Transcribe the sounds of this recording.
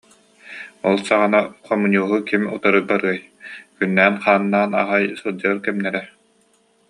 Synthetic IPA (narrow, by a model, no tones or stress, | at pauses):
ɔlˠsaʁanaχɔmɯɲʲuːɦukimut̪ɔɾɯbaɾɯɐj | kynːæːnχaːnːaːna̰ɦajsud͡ʑaːɾkɛmnɛɾɛ